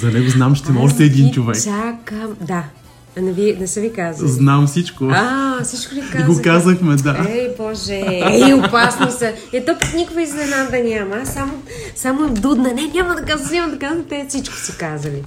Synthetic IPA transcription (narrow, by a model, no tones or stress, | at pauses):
zɐnɛɡoznamt͡ʃɛ̥t̪ɛmɔʃt̪ɛːd̪int͡ʃovɛksakəmd̪a | nɛvinɛsəvikazznamfsit͡ʃkoasit͡ʃkolikazɡokazəxmɛd̪aɛjbɔʒɛɛiopasnosɐ | ɛt̪ɔpɐknʲikʊɡəizlɛnad̪ɐnʲaməsamo | samoɛd̪ud̪nɐnɛnʲaməd̪ɐkazɐt̪nʲamɐd̪ɐkazənt̪ɛfsit͡ʃko̥sɛkazəli